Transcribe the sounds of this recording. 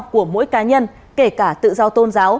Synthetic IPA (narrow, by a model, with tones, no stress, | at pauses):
ku˧˩əmo̰˧˥jkaː˨˦ɲə˧n | ke˧˩kaː˧˩t̪ɨ̰˧˨zɔ˧wt̪o˧nzaː˨˦w